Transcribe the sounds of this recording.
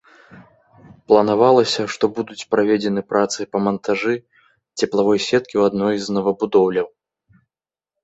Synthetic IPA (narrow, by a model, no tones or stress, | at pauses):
plˠɐnavalˠɐsʲɐʂt̪ɔbud̪ut͡sʲpɾavʲed͡zʲɛnɨpɾʔat̪sɨpɐmɐnt̪ʰaʐɨ | t͡sʲɛplˠavɔjsʲɛt̪̚kʲiwad̪nɔjznɐvɐbud̪ɔwlʲɐw